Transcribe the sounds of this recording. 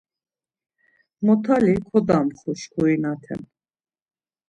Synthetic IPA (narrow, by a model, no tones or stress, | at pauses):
mɔt̪ʰalikʰɔd̪amχɔʃkʰɔinat̪ʰɛ̰n